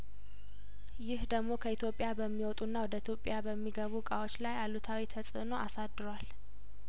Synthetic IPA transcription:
jɪhd̪əɡmo̞kʰəit̪ʰjo̞pʼɪjabəmːiwɔt̪ʼunːawɔd̪əit̪jo̞pʼjabəmːiɡəβukʼawot͡ʃːlajalut̪ʰawit̪ʰəsʼɨ̰no̞ʔasad̪ɨɾwal

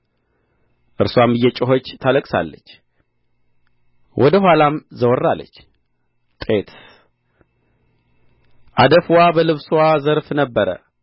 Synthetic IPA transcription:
ʔɨɾswamɨjːɛt͡ʃʼɪɦo̞t͡ʃːt̪ʰaləkʼsa̰lːət͡ʃː | wʔɔd̪əɦʷwalamzəwɔrːalːə̰t͡ʃː | t̪ʼet̪ | ʔad̪əfwabəlɨβswazəɾfnəbːəɾə̰

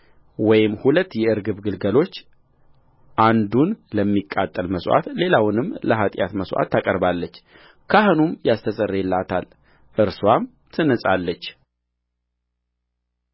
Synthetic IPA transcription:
wɔjɪmːhulət̪ːjɛɨɾɡɨβɡɨlɡəlo̞t͡ʃː | ʔand̪unləmːikʼːa̰t̪ʼːəlməsʔa̰t̪le̞lawnɨmləɦat̪ʼja̰t̪məsʔa̰t̪ːakʼəɾbalːət͡ʃː | kʰahɨnumjast̪ʰəsʼərːelːat̪ʰal | ʔɨɾswam | t̪ʰɨnəsʼalːət͡ʃː

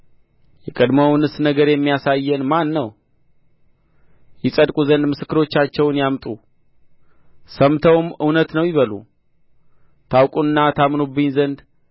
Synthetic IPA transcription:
jɛkʼəd̪məwnɨsnəɡəɾjɛmːijasajːɛnmanːəw | jɪsʼəd̪kʼuzənd̪mɨsɨ̥kːɨɾo̞t͡ʃːat͡ʃːɛwnjamt̪ʼu | səmt̪ʰəwmɨwnət̪nəwjɪβəlṵ | t̪ʰawkʼuɨnːat̪ʰamnubːɨɲzənd̪

